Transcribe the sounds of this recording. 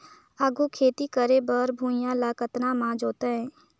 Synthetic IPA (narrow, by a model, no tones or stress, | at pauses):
aɡukʰeːt̪ikəɾebəɾbʱũːɪjãlaːkət̪namãːd͡ʒoːt̪eɦɛ̃ː